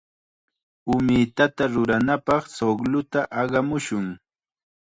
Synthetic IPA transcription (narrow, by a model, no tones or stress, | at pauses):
ʊmɪt̪at̪aɾʊɾanapɑχsoɡlʊt̪aʔɑɢɑmʊʃʊŋ